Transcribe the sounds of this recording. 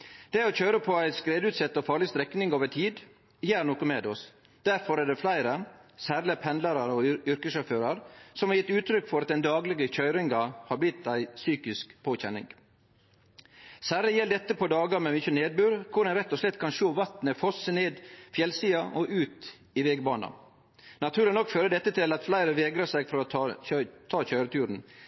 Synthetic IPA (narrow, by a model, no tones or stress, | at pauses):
d̪̥ɛæɾɔçøʏɾəpʰɔæɪskɾeːd̪ʉːt̪sɛt̪ːɔfɑːɾɭɪst̪ɾɛknɪŋoːʋəʈʰiːd̪ | jæːɾnoːkəmeːd̪ɔs | d̪̥æɾfɔɾæɖɛflæɪɾəsæːɾlɪpʰɛnlɑɾɑɾɔʏɾkəsʃɑføːɾɑɾsɔmhɑɾjɪt̪ːʉːt̪ʰɾʏkːfɔɾɑt̪̚d̪ɛnd̪ɑːɡlɪɡəçœʏɾɪŋɡɑhɑblɪt̪ːæɪsyːkɪskpʰoːçɛnɪ̰ŋ | sæːɾlɪjɛld̪ɛt̪ːəpʰɔd̪ɑːɡɑɾmɛmʏçəneːd̪̚bʉːɾkʰʊɖɛnɾɛt̪ːɔslɛt̪ːkʰɑnʃoːʋɑt̪nəfɔsəneːd̪fjɛlsiːɑʔɔʔʉːt̪ | ɪʋɛɡbɑːnɑ̰ | nɑt̪ʰʉːɾɪnɔkːføːɾəd̪ɛt̪ːət̪ʰɪlɑt̪flæɪɾəʋeːɡɾɑsæɪɡfɔɾɔɑt̪ʰɑːçœʏɾət̪ʰʉːɾn̩